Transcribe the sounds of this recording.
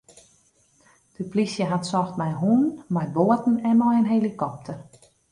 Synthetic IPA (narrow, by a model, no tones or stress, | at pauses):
d̥əplisjəɦatsɔxtmɛjɦuːnmajboətn̩ɛnmɔjənɦelikɔp̚tʰər